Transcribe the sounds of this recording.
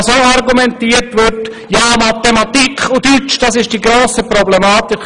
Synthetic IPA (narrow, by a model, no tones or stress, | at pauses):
soarɡumɛntiːətʋʏɾt | jaːmat̪emat̪ikʰʊdyt͡ʃd̥ɑsɪʃd̥iːɡɾoːsəprɔblemaːtɪk